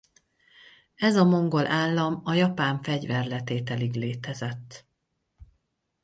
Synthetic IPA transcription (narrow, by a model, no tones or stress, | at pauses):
ɛzɒmo̞ŋɡo̞lʔaːlːɒmɒjɒpaːɱfɛɟvɛrlɛt̪eːt̪ɛliɡleːt̪ɛzɛt̪ː